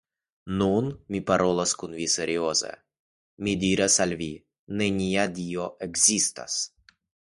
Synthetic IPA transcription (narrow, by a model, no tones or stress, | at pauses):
nunmipaɾolˠaskunvisɛɾiozɛ̰ | mid̪iɾɛsalʲvi | nɛnʲijad̪ioʔɛɡz̥ist̪a̰s